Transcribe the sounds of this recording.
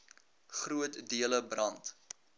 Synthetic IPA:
χruətdiələbrɐnt

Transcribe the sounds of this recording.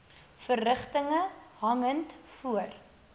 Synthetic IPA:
fərːəχtəŋəɦɐŋəntfuər

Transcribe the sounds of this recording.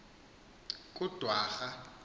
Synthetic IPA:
kʼud̥ʱwaːxa

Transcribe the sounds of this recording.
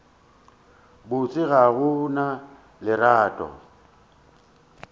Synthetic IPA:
bʊt͡sʼɪɣaɣʊna | lɪɾaːtʼɔ̰

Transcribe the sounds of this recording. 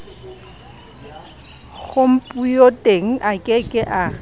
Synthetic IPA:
ɣʊm̩pʼujotʼeŋ̩ʔakʼɪkʼɪʔa

